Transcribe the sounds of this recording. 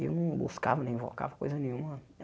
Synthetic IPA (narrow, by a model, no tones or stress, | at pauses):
ḛnũbo̰skavnẽĩvɔ̰ka̰vko̰zanĩũma